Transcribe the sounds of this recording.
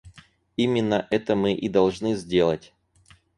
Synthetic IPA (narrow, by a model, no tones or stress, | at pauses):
imʲɪnːəʔɛt̪əmɨʔid̪ɐlˠʐnɨzʲdʲe̞lˠətʲ